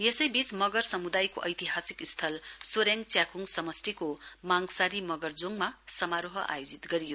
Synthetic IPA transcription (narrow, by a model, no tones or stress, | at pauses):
jesʌjbismʌɡʌrsʌmud̪ajko̰ʔʌjt̪iɦasikist̪ʰʌlsoɾjaŋt͡sjakʰuŋsʌmʌsʈikomaŋsaɾimʌɡʌrd͡zoŋmasʌmaɾoɦʌʔa̰jod͡zit̪ɡʌɾijo